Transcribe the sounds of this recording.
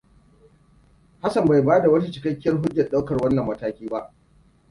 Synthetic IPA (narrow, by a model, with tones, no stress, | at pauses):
ha˦sɐ˨mba˨jbaː˦da˨wɐ˦ta˦t͡ʃɪ̥˨kɐ˦kʲːɐ˦rɦʊ˦d͡ʒjɐ˨ɗa˦wkɐ˨rwɐ˦nːɐ˨mːɐ˦taː˦kʲiː˦ba˦ʔ